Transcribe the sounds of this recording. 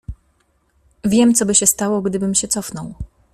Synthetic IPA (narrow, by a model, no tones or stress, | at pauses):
vʲjɛmt̪sɔbɘɕɛst̪awɔɡd̪ɘbɘmɕɛt̪sɔfnɔw